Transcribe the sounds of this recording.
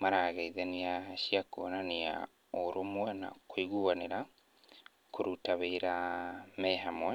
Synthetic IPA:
maɾaːɣeiðɛniaɕiakoːnania̰ | oɾomwɛna̰koiɣuaneɾa | koɾutaβeiɾamɛɦamwɛ

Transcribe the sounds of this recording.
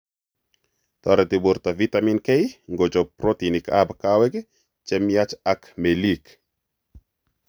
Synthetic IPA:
t̪ɔɾɛt̪ɪboɾt̪avit̪aminkeiŋɡod͡ʒɔpɾot̪inika̰bkawɛɡe | t͡ʃɛmjat͡ʃakmelik

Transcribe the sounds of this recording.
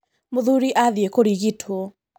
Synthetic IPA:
moðuɾiʔaðjekoɾiɣitʰo

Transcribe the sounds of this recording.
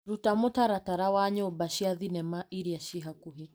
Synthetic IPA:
ɾutamʊtaɾataɾawaɲɛobaʃiaðinɛmaʔiɾiaʃiɦakuɦi

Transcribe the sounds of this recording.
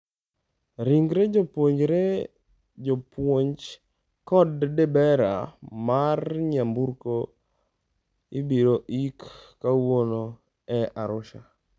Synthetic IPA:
ɾiŋɡɾed͡ʒopwoɲd͡ʒɾe | d͡ʒopwoɲd͡ʒ | kɔddɛbɛɾa̰marɲambuɾko | ibiɾoʔikː | awono | ɛʔaɾʊʃa

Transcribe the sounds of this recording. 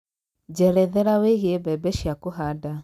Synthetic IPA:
d͡ʑɛɾɛðɛɾaweɣebɛbɛʃjakoɦada

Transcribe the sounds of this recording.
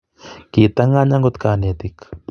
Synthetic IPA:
kit̪aŋaɲaŋɡʊt̪kaːnet̪ik

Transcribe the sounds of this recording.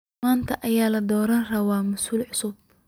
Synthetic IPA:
aːnt̪ʰɐʔɐjaːlɐd̪ɔːɾɐnrɐwɑːmʊsuːlʕʊsʊb̚

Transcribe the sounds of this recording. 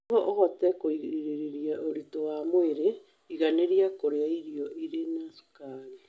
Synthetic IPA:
ɣɔʔoɣɔtɛkoiɣiɾiɾeɾeɾiaoɾitowamweɾe | iɣaneɾjakoɾeaiɾiɔʔiɾenasu̥kaɾe

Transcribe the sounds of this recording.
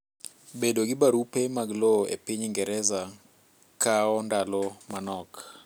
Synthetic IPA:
bedoɡɪbaɾupemaɡloḛpiɲŋɡɛɾɛza | kaɔndalɔmanɔk

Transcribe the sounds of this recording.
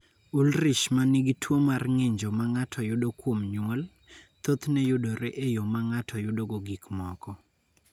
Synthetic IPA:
ulɾiʃmaniɡitʰwomarŋeɲd͡ʒomaŋatʰɔjʊdokwomɲwɔl | t̪ot̪nɛjʊdoɾeʔejomaŋatʰɔjʊdoɡoɡikmɔkɔ

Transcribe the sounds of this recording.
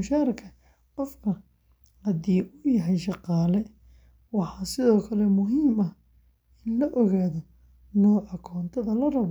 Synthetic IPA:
ʊʃaːɾɐkʰɐ | qɔfkʰɐ | hɐðiːʔʊjɐɦɛjʃɑqɑːlɛ | wɑħɑːsɪðɔːkʰɐlɛmʊɦiːmɐ | ɪnlɐʔɔɣaːðɔ | nɔːʔɐkʰɔːnt̪ʰɐðɐlɐrɐβ

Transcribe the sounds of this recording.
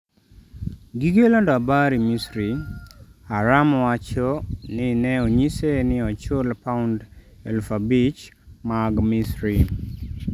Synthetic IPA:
ɡiɡelondɔabaɾimisɾi | aɾamɔwat͡ʃɔnɪnɛoɲisenɪɔt͡ʃolpaʊnd | ɛ̰lfabit͡ʃmaɡmisɾi

